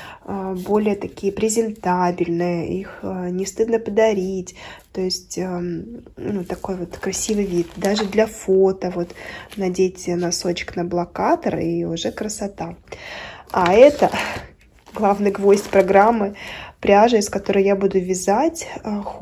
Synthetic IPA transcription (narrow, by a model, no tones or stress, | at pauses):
bo̞lʲɪjət̪ɐkʲijəpɾʲɪzʲɪnt̪abʲɪlʲnɨjəʔixnʲɪst̪ɨd̪nəpəd̪ɐɾʲitʲt̪o̞jɪsʲtʲə | nut̪ːɐko̞jvo̞t̪kɾɐsʲivɨjvʲit̪̚d̪aʐɨd̪lʲɐfot̪əvo̞t̪nɐdʲetʲɪnɐso̞t͡ɕɪ̥knəblˠɐkat̪əriʊʐɛkɾəsɐt̪a | aɛt̪ə | ɡlˠavnɨjɡvo̞sʲtʲpɾɐɡɾamːɨplʲaʐɨɪskɐt̪o̞ɾɨjjabud̪ʊvʲɪzatʲx